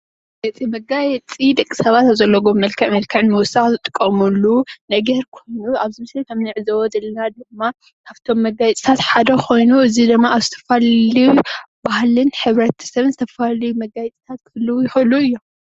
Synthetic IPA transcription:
jɐt͡sʼimɐɡajɛt͡sʼid̪ɐkʼːi̥sɐβat̪aβzɐlːɐɡomːɐlkʰɐʕmɐlkʰɐʕnmɐwʊsaxzɨt̪ʼɨ̥kʼːɐmulːunɐɡɐɾkʰo̞jnuaβzɨmɨset̪ʰɐmnɨʕzɐwɔzɐlːɐnad̪ɨmːa | kʰaβt̪ʰo̞mːɐɡajt͡sʼi̥t̪ʰat̪ħad̪ɐkʰo̞jnuʔɨzid̪ɨmːaaβzɨt̪ʰɐ̥faliju | bahlɨnħɨβɾɐt̪ʰɐ̥sɐβɨnzɨt̪ʰɐfalɐjumɐɡajɛt͡sʼi̥t̪ʰat̪̚kʰɨɨlːɨwjɪxɨlːuɨjːo

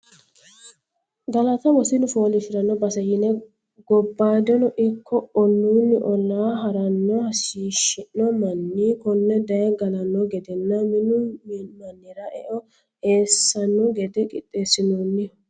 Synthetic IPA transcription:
ɡɐlɐt̪ɐwɔsɪnʊfoːlɪfɪɾɐnːɔbɐsɐjɪnɛ | ɡɔbːaːd̪ɔnɔʔɪkːɔɔnːunːɪʔɔlːaːɦɐɾɐnːɔhɐsiːʃɪnːɔmɐnːikʊnːɛd̪ɐɛɡɐlɐnːɔɡɛd̪ɛnːɐmɪnʊmmɐnːɪɾɐʔɛʔɔ | eːsːɐnːɔɡɛd̪ɛkʼɪt̪ʼːe̞ːsɪnonːɪ

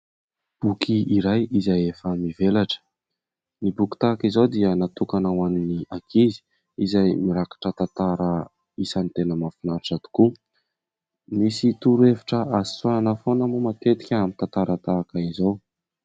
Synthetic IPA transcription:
b̥ukʰiiɾajizajefəmivelaʈ͡ʂə̥ | nibuki̥t̪aːkizowd̪iənat̪ukanawaniniakʰizi̥ | izajmiɾakḁʈ͡ʂət̪ant̪aɾə | isant̪enəmafinaɾʈ͡ʂat̪u̥ku | misit̪uɾueviʈ͡ʂəʔazi̥suaanəfonəmumat̪et̪i̥kʲəamint̪ant̪aɾət̪akaizow

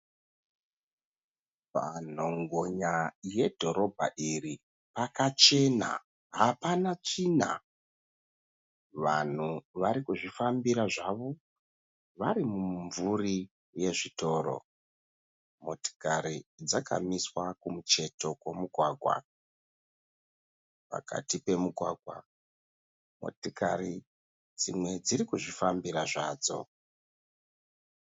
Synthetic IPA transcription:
pa̰n̤o̞ŋɡoɲaje̞dʱo̞ɾo̞bʱa̰ʔiri | pakat͡ʃe̞na̰ | ɦapanat͡ʂin̤a̰ | ʋan̤uʋaɾikuʐifambiɾaʐaʋo̞ | ʋaɾimuɱvuri | je̞ʐito̞ːɾo̞̰ | moti̥kaɾid͡zakʰa̰miswakumut͡ʃe̞to̞kwo̞muɡʱwaːɡʱwa̰ | pa̰ka̰tipe̞muɡʱwaːɡʱwa̰ | mo̰tikari | d͡zimwe̞d͡ziɾikuʐifambiɾaʐaːd͡zo̞̰

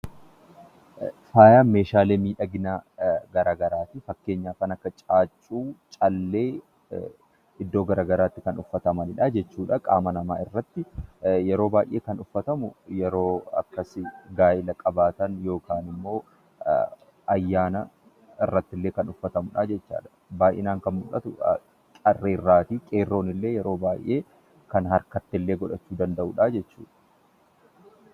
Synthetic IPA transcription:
faːjaːnme̞ːʃaːleːmiːᶑɐɡɪnaɡɐɾaːɡɐɾaːt̪ɪfɐkːe̞ːɲːaːkɐːnɐkːɐt͡ʃʼaːt͡ʃʼːuːt͡ʃʼɐlːeː | ɪd̪ːoːɡɐɾaːɡɐɾaːt̪ːɪkɐnʊfːɐt̪ɐmɐnɪᶑɐd͡ʒɛt͡ʃːuːᶑɐkʼa̰ːmɐnɐmaːɪrːɐt̪ːɪjɛɾo̞ːbaːjʔe̞ːkɐnʊfːɐt̪ɐmʊjɛɾo̞ːɐ̰kːɐsɪɡaːʔɪlɐkʼɐbaːt̪ɐnjo̞ːkaːnɪmːo̞ː | ʔɐjːaːnɐ | ɪrːɐt̪ːɪlːe̞ːkɐnʊfːɐt̪ɐmʊᶑaːd͡ʒɛt͡ʃːa̰ːᶑɐ̥ | baːjʔɪ̰naːŋkɐnmʊlɐt̪ʊ | t͡ʃʼɐrːeːrːaːt̪iːkʼeːrːo̞ːnɪlːe̞ːjɛɾo̞ːbaːjʔeː | kɐnhɐɾkɐt̪ːɪlːe̞ːɡɔᶑɐt͡ʃːuːd̪ɐnd̪ɐʔuːᶑaːd͡ʒɛt͡ʃːṵːᶑɐ̥

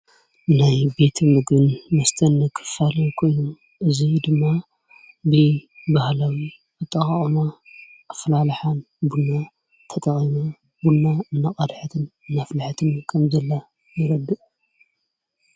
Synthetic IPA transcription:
najbe̞t̪ʰmɨɡbɨnmɐst̪ʰɐnːɐkʰɨ̥falɐjkʰo̞jnu | ʔɨzid̪ɨmːa | bɨbahlawi | ɨt̪ʼːɐχʼɐχʼma | ʔːflalħan | bunːa | t̪ʰɐt̪ʼɐχʼima | bunːaɨnːaqʼad̪ħɨt̪ʰɨnɨnːaflaħt̪ʰɨnkʰɐmzɐlːa | jɨɾɐd̪ːɨʔʼ

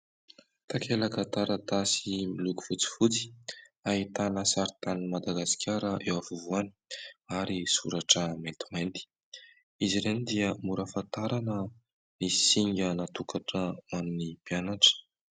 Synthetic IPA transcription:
t̪akʰelakat̪aɾət̪asimiluku̥fut͡si̥fut͡si̥aɦit̪anəsaɾit̪animad̪aɡaskʲʰaɾəʔewavuvuaniaɾisuɾaʈ͡ʂəmet̪u̥mejnt̪i̥ | iziɾenid̪iəmuɾafant̪aɾanə | nisiŋɡənat̪ukʰaʈ͡ʂəmanunipianaʈ͡ʂə̥

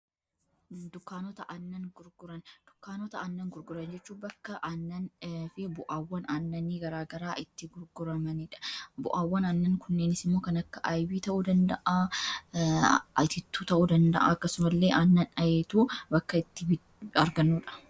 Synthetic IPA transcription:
d̪ʊkːaːnɔt̪ɐʔɐnːɐnɡʊɾɡʊɾɐnd̪̥ʊ̥kːaːnɔt̪ɐɐnːɐŋɡʊɾɡʊɾɐnd͡ʒɛt͡ʃːuːbɐkːɐʔɐnːɐnfɪbʊʔaːwːɐnɐnːɐniːɡɐɾaːɡɐɾaːʔɪt̪ːɪɡʊɾɡʊɾɐmɐniᶑɐ̥bʊʔaːwːɐnɐnːɐŋkʊnːeːnɪsɪmːo̞ːkɐnɐkːɐʔajbiːt̪ɐʔuːd̪ɐnd̪ɐʔa | ɐ̰t̪ɪt̪ːuːt̪ɐʔuːd̪ɐnd̪ɐ̰ʔa̰ɐkːɐsʊmɐlːe̞ːʔɐnːɐnɐjeːt̪uːbɐkːɐɪt̪ːɪ | ɐɾɡɐnːuːᶑɐ̥

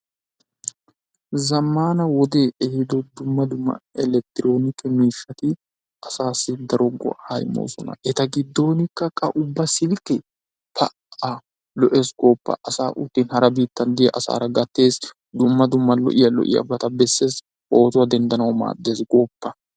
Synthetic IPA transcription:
zɐmːaːnɐwɔd̪e̞ːʔɛhɪd̪ɔd̪ʊmːɐd̪ʊmːɐ̰ɛlɛk̚t̪ɪɾo̞ːnɪkːɛmiːʃːɐt̪ɪ | ʔɐsaːsːɪd̪ɐɾɔɡɔ̰hɐjɪ̰mo̰ːsɔnɐ̰ʔɛt̪ɐɡɪd̪ːo̞ːnɪkːɐkʼɐʔʊbːɐsɪlkːɛ | t̪ɐ | a | lɔʔe̞ːsɡoːpːɐ̰ʔɐsaːʔʊt̪ːiːnhɐɾɐbiːt̪ːɐnd̪ɪjɛʔɐsa̰ːɾɐɡɐt̪ːe̞ːs | d̪ʊmːɐd̪ʊmːɐlɔ̰ʔɪjɐlɔ̰ʔɪ̰jɐ̰bɐt̪ɐbɛsːe̞ːs | ʔo̞ːt̪ʊwɐd̪ɛnd̪ɐnɐwɔma̰ːd̪ːe̞ːsɡoːpːɐ

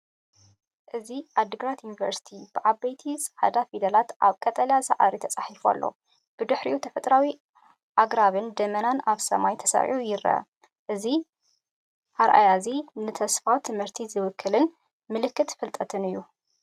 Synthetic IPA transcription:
ʔɨziʔad̪ɨɡɾat̪junivɐ̰ɾsi̥t̪ʰibɨʕabɐjt̪ʰizħa̰d̪afid̪ɐlat̪ʔa̰βkʼɐt̪ʼɐljasɐ̰ʕa̰ɾit̪ʰɐt͡sʼaħifua̰lːo̞̰ | b̥ɨd̪ɨħɾiʔut̪ʰɐfɐt̪ʼɾawi | ʔaɡɾaβɨnd̪ɐmɐnanaβsɐ̰majt̪ʰɐsɐ̰ʕ̰ujɪɾɐ̰ | ʔɨzi | ʔaɾʔa̰jazinɨt̪ʰɐsfawt̪ʰɨmhɨɾt̪ʰizɨwɨkʰːɨlɨn | mɨlɨkːɨt̪fɐlt̪ʼɐt̪ʰɨnɨjːu

